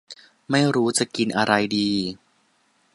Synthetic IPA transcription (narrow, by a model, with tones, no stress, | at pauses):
ma˥˩jɾuː˦˥t͡ɕa˨˩ki˧nʔa˧ɾa˧jdiː˧